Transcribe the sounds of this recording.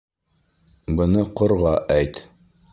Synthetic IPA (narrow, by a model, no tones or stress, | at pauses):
bɤ̆nɤqŏɾʁɑʔæjt̪